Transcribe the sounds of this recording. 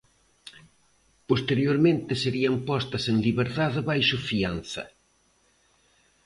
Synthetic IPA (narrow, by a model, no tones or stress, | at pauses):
post̪eɾjoɾmẽnt̪ɪseɾiɐmpɔst̪ɐseŋliβeɾðaðɪβajʃʊfian̟θɐ̰